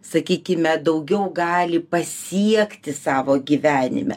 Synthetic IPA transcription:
sɐkʲiːkʲɪmʲɛd̪ɐʊɡʲɛʊɡɑːlʲɪpɐsʲiɛkt̪ʲɪsɑːʋoːɡʲiːʋʲæːnʲɪ̰mʲɛ̰

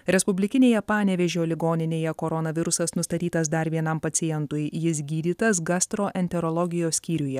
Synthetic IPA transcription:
ɾʲɛspʊbʲlʲɪkʲɪnʲeːjɛpɑːnʲɛʋʲɛʒʲoːlʲɪɡoːnʲɪnʲeːjɛkoɾɔnɐʋʲɪɾʊsɐsnʊst̪ɐt̪ʲiːt̪ɐs̬d̪ɐɾʋʲiɛnɐmpɐt̪sʲɪjɛnt̪ʊjjɪs̬ɡʲiːd̪ʲiːt̪ɐsɡɑst̪ɾoːʔɛnʲt̪ʲɛɾɔlˠɔɡʲɪjoːsʲkʲiːɾʲʊjɛ

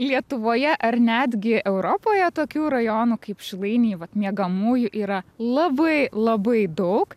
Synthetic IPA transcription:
lʲiɛt̪ʊʋoːjɛʔɐɾnʲæːd̪ʲɡʲɪʔɛʊɾoːpoːjɛt̪oːkʲuːɾɐjoːnuːkɐɪpʃʲɪlˠɐɪnʲiːʋɐt̪mʲiɛɡɐmuːjʊʔiːɾɐlˠɐbɐɪlˠɐbɐɪd̪ɐʊk

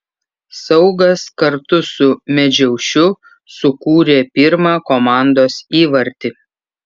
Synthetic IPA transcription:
sɒʊɡɐskɐɾt̪ʊsʊmʲɛd͡ʒʲɛʊʃʲʊ | sʊkuːɾʲeːpʲɪɾmɑːkomɑˑnd̪oːsiːʋɐɾʲt̪ʲɪ

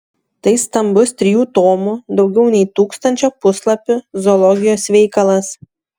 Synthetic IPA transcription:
t̪ɐɪst̪ɐmbʊst̪ʲɾʲɪjuːt̪oːmud̪ɒʊɡʲɛʊnʲɛɪt̪uːkst̪ɐnʲt͡ʃʲoːpʊslˠɐpʲʊzɔlˠɔɡʲɪjoːsʋʲɛɪkɐlˠɐs

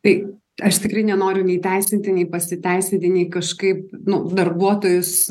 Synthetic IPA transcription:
t̪ɐɪ | ɐʃt̪ʲɪkɾɐɪnʲɛnoːɾʲʊnʲɛɪt̪ʲæɪsʲɪnʲt̪ʲɪnʲɛɪpɐsʲɪt̪ʲæɪsʲɪnt̪ʲɪnʲɛɪkɐʃkɐɪp̚nʊd̪ɐrbuɔt̪oːjʊs

